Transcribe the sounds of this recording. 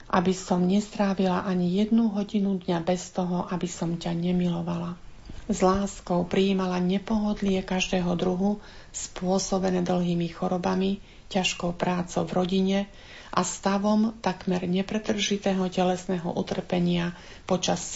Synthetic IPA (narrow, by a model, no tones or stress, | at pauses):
ʔa̰bisɔmɲɛst̪ɾaːʋilaʔaɲijɛd̪nuɦɔɟinud̪ɲabɛst̪ɔɦɔʔabisɔmcaɲɛmilɔʋala | zlaːskɔʊpɾiːmalaɲɛpɔɦɔd̪lɪɛkaʒd̪ɛːɦɔd̪ɾuɦu | spʊɔsɔbɛnɛːd̪l̩ɦiːmixɔɾɔbami | caʃkɔʊpɾaːt͡sɔʊvɾɔɟiɲɛ | ʔa̰st̪aʋɔmt̪akmɛɾɲɛpɾɛt̪r̩ʒit̪ɛːɦɔcɛlɛsnɛːɦɔ̰ʔut̪r̩pɛɲɪa | pɔt͡ʃas